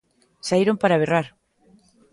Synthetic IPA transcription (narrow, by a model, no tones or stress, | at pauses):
saiɾompaɾaβeraɾ